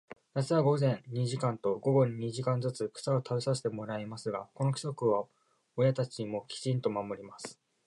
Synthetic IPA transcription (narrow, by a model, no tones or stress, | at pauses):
jat͡sɨβaɡo̞zẽ̞nɲiʑikãnt̪o̞ɡo̞ɡo̞ɲ̟iɲ̟iʑikãnd͡zɨt͡sɨkɯ̟̥sao̞t̪ʰaisaɕi̥t̪e̞mo̞ɾaimasɨɡako̞no̞kʲi̥so̞kɯ̟βa | ojat̪at͡ɕiɲ̟imo̞kʲi̥t͡ɕĩnt̪o̞mamo̞ɾʲimasɨ̥